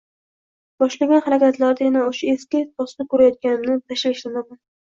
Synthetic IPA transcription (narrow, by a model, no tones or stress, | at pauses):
b̥ɒʃlaɡʲanχaɾakʲat̪ʰlaɾd̪ajanaoʃaeskʲɪpʰɒsnɪkʰɵɾajɒt̪̚kʲanɪmnɪt̪ʰaʃlaʃlanaman